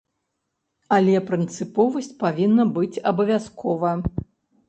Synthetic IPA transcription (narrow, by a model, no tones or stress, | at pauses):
ɐlʲɛpɾɨnt̪sɨpɔvɐsʲt͡sʲpavʲinːɐbɨt͡sʲɐbɐvʲaskʰɔvɐ